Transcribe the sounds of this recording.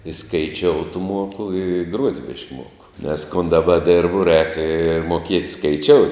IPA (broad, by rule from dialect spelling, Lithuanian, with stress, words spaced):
ɪ skɐɪˈt͡ʃʲoːʊt ˈmuɔkʊ ɪ ɪ ɡruɔtʲ bʲɪʃk ˈmuɔkʊ nʲɛs kʊn dɐˈbɐ ˈdʲɪrbʊ rʲɛːk ɪ moːˈkʲiɛtʲ skɐɪˈt͡ʃʲoːʊtʲ